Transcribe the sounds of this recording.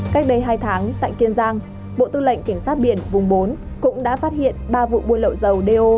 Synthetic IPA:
ka˦˥k̟̚ɗə˧jɦaː˧jt̪ʰaː˨˦ŋt̪a̰ː˧˨jki˧ənzaː˧ŋ | ɓo̰˧˨t̪ɨ˧lə̰˧˨ŋ̟ka˧˩ŋ̟saː˦˥t̚ɓḭ˧˩ənvʊ˨˩ŋ͡mɓo˨˦n | kʊ̰˧˥ŋ͡mɗa̰ː˧˥faː˦˥t̚hḭ˧˨ənɓaː˧vṵ˧˨ɓu˧ənlə̰˧˨wzə˨˩wɗe˧ʔo˧

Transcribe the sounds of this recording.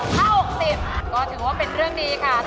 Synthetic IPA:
kʰaː˥˩ho˨˩k̚siː˨˩mkɔː˥˩t̪ʰɯː˩˦waː˥˩pe˧nɾɯ˥˩əŋniː˦˥kʰa˥˩

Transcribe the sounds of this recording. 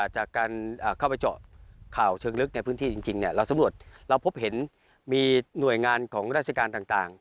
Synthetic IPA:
t͡ɕaː˨˩kːaː˧nʔəː˨˩kʰa˥˩wpa˧jt͡ɕɔ̰˨˩kʰaː˨˩wt͡ɕʰɤː˧ŋlɯ˦˥k̚na˧jpʰɯː˦˥nt̪iː˥˩t͡ɕi˧ŋt͡ɕi˧ŋni˧˩ɾa˧wsa˨˦mɾu˨˩ət̪̚ɾa˧wpʰo˦˥p̚he˩˦n | miː˧nu˨˩əjŋaː˧nkʰɔː˩˦ŋɾaː˦˥˩t̪̚sʰa˧kaː˧nt̪aː˨˩ŋt̪aː˨˩ŋ

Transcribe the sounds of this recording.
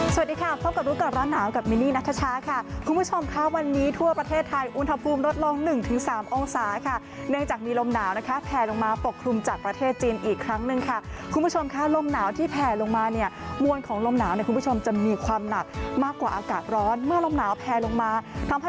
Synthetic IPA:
sa˨˩˨t̚diː˧kʰa˥˩pʰɔː˦˥˩ka˨˩p̚ɾuː˦˥ka˨˩ɾɔː˦˥nːaː˩˦wka˨˩p̚miː˧niː˥˩na˦˥t̪ʰːa˧t͡ɕʰaː˦˥kʰa˥˩kʰu˧nbʰu˦˥t͡ɕʰo˧mkʰa˦˥wa˧nːiː˦˥t̪ʰu˥˩ɐpɾa˧t̪ʰeː˥˩t̪ʰːa˧jʔu˧˥nɦa˧pʰuː˧mɾo˦˥t̪̚lo˧ŋnɯ˨˩ŋt̪ʰɯ˩˦ŋsaː˩˦mʔoː˧ŋsaː˩˦kʰa˥˩ | nɯ˥˩əŋt͡ɕaː˨˩k̚miː˧lo˧mnaː˩˦wna˦˥kʰa˦˥pʰɛː˧lo˧ŋmaː˧po˨˩kʰɾu˧mt͡ɕaː˨˩k̚pɾa˧t̪ʰeː˥˩t̪̚t͡ɕiː˧nʔiː˨˩kʰɾa˦˥ŋnɯ˨˩ŋkʰa˥˩kʰu˧mbʰu˥˩o˧mkʰa˦˥lo˧mnaː˩˦wt̪ʰiː˥˩pʰɛː˧lo˧ŋmaː˧ni˥˩ɐmu˧ənkʰɔː˩˦ŋlo˧mnaː˩˦wni˥˩ku˧˨˩bu˦˥t͡ɕʰo˧mt͡ɕa˨˩miː˧kʰwaː˧mna˨˩k̚maː˥˩kːwaː˨˩ʔaː˧kaː˨˩t̪̚ɾɔː˦˥nmɯ˥˩ɐlo˧mnaː˩˦wpʰɛː˧lo˧ŋmaː˧t̪ʰa˦˥ma˧˥

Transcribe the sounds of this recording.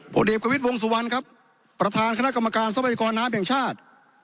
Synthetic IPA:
pʰo̰˨˦diː˨˩p̚ka˧wi˦˥t̪̚wo˧ŋs̬u˨˦wa˧nkʰa˦˥pː | ɾa˧t̪ʰaː˧nkʰa˧na˥˩ka˧ma˧kaː˧nsa˧˥pʰa˧ja˧kɔː˧nːaː˦˥mphɛ˨˩ŋt͡ɕʰaː˥˩t̪̚

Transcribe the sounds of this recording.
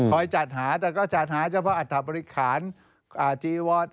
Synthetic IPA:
kʰɔ˧˩jt͡ɕa˨˩t̪̚haː˩˦t̪ɛː˨˩kɔː˥˩t͡ɕa˨˩t̪̚haː˩˦t͡ɕʰa˧˥pʰɔ˦˥ʔa˨˩t̪ʰːa˨˩bɔː˧ɾi˦˥kʰaː˩˦n | ʔaː˨˩t͡ɕiː˧wɔː˧˩t̪̚

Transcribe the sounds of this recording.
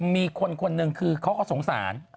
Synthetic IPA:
miː˧kʰo˧nkʰo˧nːɯ˧ŋkʰɯː˧kʰa˥wkʰɔː˧˥˩so˩˦ŋsa̰ː˩˦n

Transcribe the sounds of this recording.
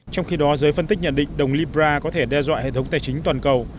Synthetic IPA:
t͡ɕɔ˧wŋ͡mxi˧ɗɔ˨˦zəː˨˦jfə˧nt̪ï˦˥k̚ɲə̰˧˨nɗḭ̈˧˨ŋ̟ɗə˨˩wŋ͡mli˧bzaː˧kɔ˨˦t̪ʰe˧˩ɗɛ˧zwa̰ː˧˨hḛ˧˨t̪ʰə˨˦ŋ͡mt̪aː˨˩jt͡ɕï˨˦ŋ̟t̪waː˨˩nkə˨˩w

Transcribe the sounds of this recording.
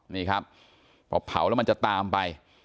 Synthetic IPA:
niː˥˩kʰɾa˦˥p̚ʰː | ɔ̰ː˧˩pʰa̰˨˦wlɛː˦˥wma˧t͡ɕa˨˩t̪aː˧mpa˧j

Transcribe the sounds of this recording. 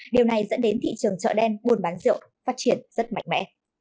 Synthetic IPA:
ɗi˨˩əwna˨˩jzə̰˧˥nɗe˨˦nt̪ḭ˧˨t͡ɕɨ˨˩əŋt͡ɕə̰ː˧˨ɗɛ˧nɓu˧˩ənɓaː˨˦nzḭ˧˨əw | faː˦˥t̚t͡ɕi˨˩ənz̥ə˦˥t̚ma̰˧jŋ̟mɛ̰˧˥

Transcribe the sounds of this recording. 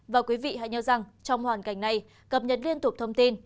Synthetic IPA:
vaː˨˩kwi˨˦vḭ˧˨ha̰˧˨jɲəː˨˧˦za˨˩ŋt͡ɕɔ˧wŋ͡mhwaː˨˩nka˨˧˩jŋ̟na˧j | kə˨˩p̚ɲə˨˩t̚li˧ənt̪ʊ˨˩k͡p̚t̪ʰə˧wŋ͡mt̪i˧n

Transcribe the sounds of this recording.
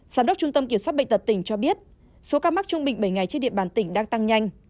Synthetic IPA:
z̥aː˨˦mɗə˦˥k͡p̚t͡ɕʊ˧ŋ͡mt̪ə˧mki˧˩əmswa˦˥ɓə̰̟˧˨t̪ə˨˩t̚t̪ï˧˩ŋ̟t͡ɕɔ˧ɓi˦˥ət̚ | so˨˦kaː˧ma˦˥k̚t͡ɕʊ˧ŋ͡mɓï˨˩ŋ̟ɓə˧˩jŋa˨˩jt͡ɕi˧˥nɗḭ˧˨ə˨ɓaː˨˧˩nt̪ï˧˩ŋ̟ɗaː˧ŋt̪a˧ŋɲa˧jŋ̟

